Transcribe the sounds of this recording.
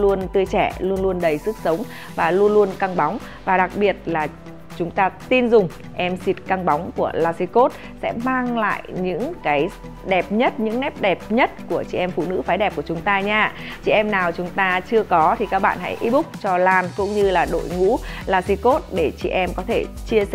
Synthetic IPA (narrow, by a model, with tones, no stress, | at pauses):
lu˧ənt̪ɨ˧əjt͡ɕɛ̰˧˩lu˧ənlu˧ənɗə˨˩jsɨ˦˥k̚sə˨˦wŋ͡m | vaː˨˩lu˧ənlu˧ənka˧ŋɓa˨˦wŋ͡m | vaː˨˩ɗa˨˩k̚ɓi˨˩ət̚laː˨˩ | t͡ɕʊ˨˦ŋ͡mt̪aː˧t̪i˧nzʊ˨˩ŋ͡m | ʔɛ˧msi˨˦˥t̚ka˧ŋɓa˨˦wŋ͡mku˧˩əlaː˧si˧ko˦˥t̚ | sɛ̰˧˥maː˧ŋla̰ː˧˨jɲɨ̰˧˥ŋkaː˨˦j | ɗɛ˨˩p̚ɲə˦˥t̚ɲɨ̰˧˥ŋnɛ˦˥p̚ɗɛ˨˩p̚ɲə˦˥t̚ku˧˩ət͡ɕḭ˧˩ʔɛ˧mfṵ˧˨nɨ̰˧˥faː˨˦jɗɛ˨˩p̚ku˧˩ət͡ɕʊ˨˦ŋ͡mt̪aː˧ɲaː˧t͡ɕḭ˧˨ʔɛ˧mnaː˨˩wt͡ɕʊ˨˦ŋ͡mt̪aː˧t͡ɕɨ˧əkɔ˨˦t̪ʰi˨˩kaː˦˥k̚ɓa̰ː˧˨nɦa̰˧˥jʔi˧˦ɓʊ˦˥k͡p̚t͡ɕɔ˧laː˧˩nkʊ̰˧˥ŋ͡mɲɨ˧laː˨˩ɗo̰˧˨jŋṵ˧˥laː˧si˧ko˦˥t̚ɗe˧˩t͡ɕḭ˧˩ʔɛ˧mkɔ˨˦t̪ʰe˧˩t͡ɕi˧ə˧